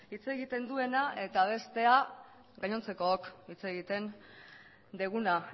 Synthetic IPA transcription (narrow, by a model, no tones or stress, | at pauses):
it͡se̞ɣit̪e̞nd̪ue̞naʔe̞t̪aβ̞e̞st̪e̞a | ɣaɲo̞nt͡se̞ko̞okit͡se̞ɣit̪e̞n | d̪eɣuna